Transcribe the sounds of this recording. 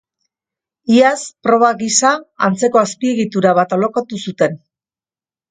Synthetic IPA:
iaspɾo̞βaɣisaant͡se̞ko̞aspie̞ɣit̪uɾaβ̞at̪olokoat̪usut̪e̞n

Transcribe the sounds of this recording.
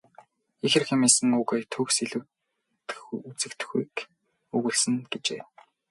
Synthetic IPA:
ixɘ̆rxemeːsɘ̆ŋuːɣeːt̪ʰɵːksiɮɘ̆w | xut͡sɘ̆kt̪̆xuːk | ɵɣɘ̆ɮsɘ̆ŋɡ̥et͡ɕḛː

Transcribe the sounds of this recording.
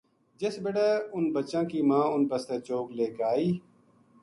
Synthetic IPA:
d͡ʒɪsbɪɽeːʊnbət͡ʃãːkiːmãːʊnbəst̪eːt͡ʃoːɡleːɡaːiː

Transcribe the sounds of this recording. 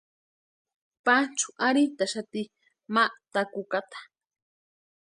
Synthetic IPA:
pat͡ʃu̥ʔaɾit̪aʃat̪i | maʔt̪akukat̪ḁ

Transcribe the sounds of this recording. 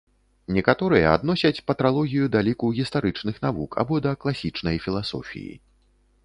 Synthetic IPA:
nʲɛkat̪ɔɾɨjɐa̰d̪nɔsʲɐt͡sʲpɐt̪ɾalˠɔɣʲijud̪alʲikuɣʲist̪aɾɨt͡ʂnɨxnavukʰa̰bɔd̪ɐklˠasʲit͡ʂnɐjfʲilˠasɔ̰fʲḭjḭ

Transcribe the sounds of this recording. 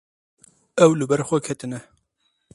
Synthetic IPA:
ɛwlɨbɛɾxʷɛkʰɛt̪ɨnɛ

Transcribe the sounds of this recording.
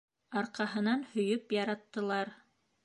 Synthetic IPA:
ɑɾqɑɦɤ̆nɑnhɵ̆jɵpjɑɾɑt̪ːɤ̆lˠɑɾ

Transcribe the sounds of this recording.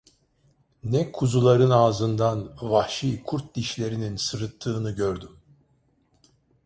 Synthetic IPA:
nɛkʰuzulˠaɾɯnaːzɯnd̪anvahʃiːkʰuɾt̪̚d̪iʃlʲe̞ɾininsɯɾɯt̪ʰːɯːnɯɟøɾd̪ym

